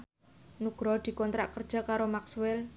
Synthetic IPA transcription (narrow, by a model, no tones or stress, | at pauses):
nuɡ̥ɾɔd̪̥i̤kɔnt̪ɾa̰ʔkərd̥ʒ̥ɔ̤kaɾomaksuwɛl